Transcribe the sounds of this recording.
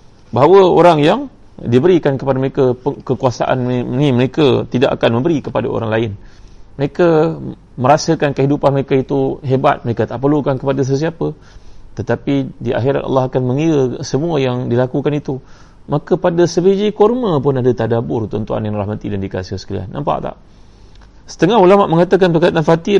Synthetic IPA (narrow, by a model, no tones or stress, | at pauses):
baɦawəo̰ɾaŋjaŋ | dibəɾikankəpadaməɾekapkəkuasa̰ʔa̰nnĩməɾekat̪ida̰ʔa̰kanmə̃mbəɾikəpada̰o̰ɾaŋlaɪnməɾeka | məɾasakankəɦidupanməɾekait̪uɦeba̰t̪̚məɾekat̪aʔpərlukankəpadas̬əs̬iapə | t̪ət̪apidiʔa̰xiɾa̰t̪ʔɑ̰lːɑɦakanmə̃ŋiɾəsəmuəjaŋdilakukanit̪u | makəpadasəbed͡ʒikɔrmə̃pʊnadat̪adabʊrt̪ənt̪ua̰njaŋraɦmat̪idandika̰səsə̥kalia̰nːa̰mpa̰ʔt̪a̰ʔ | sə̥t̪əŋaɦulamaʔmə̃ŋat̪ak̬anpərkajt̪anfat̪ɪ